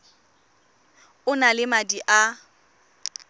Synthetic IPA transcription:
ʊnalɪmadiʔa

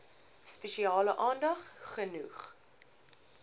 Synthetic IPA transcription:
spɛʃiɑːləʔɑːndɐχχənuχ

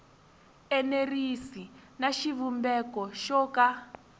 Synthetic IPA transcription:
ɛnerisinaʃiβumbɛkɔʃɔːka

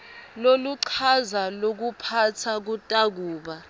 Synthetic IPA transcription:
loluǀʰazalok̬upʰatʰak̬utʼak̬uːɓa

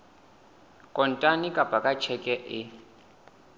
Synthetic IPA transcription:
kʼɔntʼanikʼab̥ʱakʼat͡ʃʰɛkʼɛʔɪ

